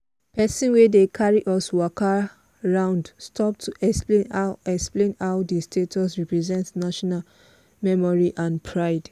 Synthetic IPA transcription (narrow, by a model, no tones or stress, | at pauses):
pɛsĩnwedekʰaɹiʔɔswɔka | ɹãʊ̃ndstʰɔp̚tʰuʔɛksplẽnaɛksplẽnhaʊdistʰetʰɔsɹipɹɛzɛ̃ntnaʃɔnal | mɛmɔɹiʔãnpʰɹaɪd